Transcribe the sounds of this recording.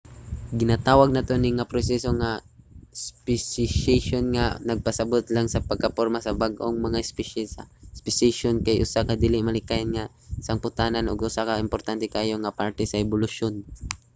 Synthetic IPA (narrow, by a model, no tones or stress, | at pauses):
ɡɪnat̪aːwaɡ̚nɐt̪o̞nɪŋapɾosɛso̞ŋa | spɪsɪʃɛʃonŋanɐɡ̚pɐsɐbot̪laŋsɐpɐɡ̚kɐpoɾmasɐbaɡʔoŋmɐŋaɪspɛʃɛsa̰spɪsejʃonkajʔʊsakad̪iːlɪmɐlɪkajnŋa | sɐŋpʊt̪aːnanʔoɡʔʊsakaɪmpoɾt̪ant̪ɛkaːjo̞ŋɐpaɹt̪ɛsɐʔɛbʊlʊʃon